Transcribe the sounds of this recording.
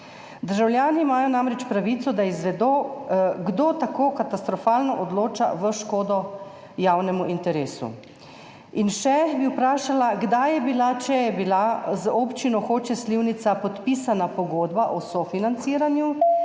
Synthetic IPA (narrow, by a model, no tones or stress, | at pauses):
d̪əɾʒawlʲjaːnimaːjɔnamɾɛt͡ʃpɾaʋit̪sɔd̪aizʋɛd̪oːɡd̪oːt̪akoːkat̪ast̪ɾɔfaːlnɔʔɔd̪loːt͡ʃa̰ʋəʃkoːd̪ɔ | jawnɛmuʔint̪ɛɾeːsṵ | inʃɛbiwpɾaːʃalaɡd̪ajɛbilat͡ʃɛjɛbilazɔpt͡ʃinɔxoːt͡ʃɛsliwnit̪sapɔt̪piːsanapɔɡoːd̪baʔɔsɔfinant̪siːɾanju